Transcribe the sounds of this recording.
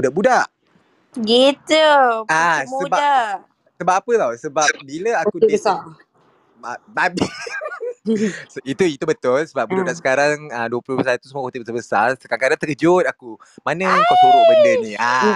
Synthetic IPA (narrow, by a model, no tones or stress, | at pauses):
budaʔbudaʔ | ɡit̪əamsuəbaa | səbap̚apəlawsəbap̚biləakuəsa | babi | sit̪uit̪ubət̪ʊlsəbap̚buudabdaʔsə̥kaɾaŋəduəplʊbəsat̪usəmuakot̪iʔbət̪abəsa̰rsə̥kaŋkadaŋt̪əkəd͡ʒʊt̪̚aku | manəkakuɾobənənia